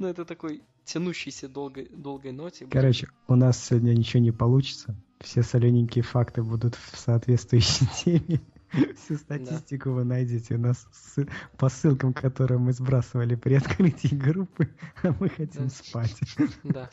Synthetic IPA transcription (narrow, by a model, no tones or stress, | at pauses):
nuɛt̪ət̪ɐkoj | tʲɪnuɕːɪjsʲəd̪olˠɡəjd̪o̞lˠɡəjnotʲɪkɐɾo̞t͡ɕɪ | ʊnasʲnʲɪt͡ɕɪvonʲɪpɐlˠut͡ɕɪ̥t̪səfsʲesɐlʲenʲɪŋʲkʲɪjəfakt̪ɨbud̪ʊt̪fsɐɐt̪vʲet̪t̪vʊjʏɕːɪjtʲʰemʲɪ | fsʲust̪ɐtʲisʲtʲɪkʊvɨnɐjdʲotʲɪʊnas | ɨpɐsːɨlˠkəmkɐt̪o̞ɾɨjəmɨzbɾasəvəlʲɪpɾʲɪɐt̪kɾɨtʲɪjɡɾupːɨɐmɨxɐtʲimspatʲd̪a